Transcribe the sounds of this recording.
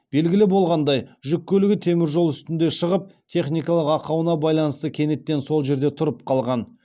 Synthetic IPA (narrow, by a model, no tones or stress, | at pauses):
b̥e̞lɡʲɪlɪbolˠʁɑnd̪ɑjʒʏkʲːɵlɪɡʲɪt̪ʰe̞mɪɾʒo̞lˠʏst̪ɪnd̪e̞ʃəʁəp̚t̪ʲʰe̞χnijkɑlˠəqɑqɑwənɑbɑjlˠɑnəst̪əkʲʰe̞ne̞t̪ːe̞nso̞lˠʒe̞ɾd̪e̞t̪ʰʊɾəp̚qʰɑlˠʁɑn